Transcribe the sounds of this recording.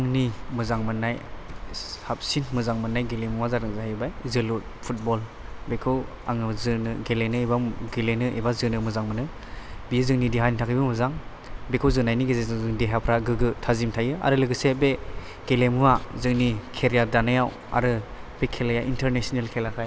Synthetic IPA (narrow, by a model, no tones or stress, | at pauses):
aŋnimɯzaŋmɯnːaj | hap̚sinmɯzaŋmɯnːajɡelemuwazaɾɯŋzaɦajbajzɯlut̚pʰut̚bɔl | bekʰɯw | a̰ŋɯzɯnɯɡelenɯebaɡelenɯʔḛbazɯnɯmɯzaŋmɯnɯ | bijzɯŋnidiɦanitʰakʰɯjbɯmɯzaŋ | bekʰɯwzɯnajniɡezezzɯŋdeɦapʰɾaɡɯɡɯtʰazimtʰajɯa̰ɾɯlɯɡɯsebe | ɡ̥elemuwazɯŋnikʰeɾjadanɯjaw | a̰ɾɯb̥ekʰelajaʔintʰeɾnesnelkʰelakʰaj